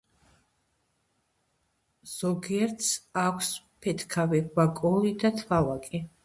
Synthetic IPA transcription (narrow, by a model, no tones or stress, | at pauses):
z̥ɔɡiɛɾt̪sakʷʰs | pʰɛt̪ʰkʰaviwakʼɔlid̪at̪ʰvalakʼi